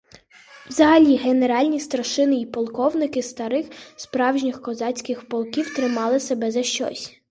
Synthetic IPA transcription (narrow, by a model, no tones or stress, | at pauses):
wzɐɦɐlʲiɦene̞ɾɑlʲnʲist̪ɾɐʃɪnɪipɔlˠkɔwnɪkɪst̪ɐɾɪxspɾɑwʒnʲɪxkɔzɑt͡sʲkɪxpɔlˠkʲiwt̪ɾɪmɑlˠɪsebɛzɐʃt͡ʃɔ̰sʲ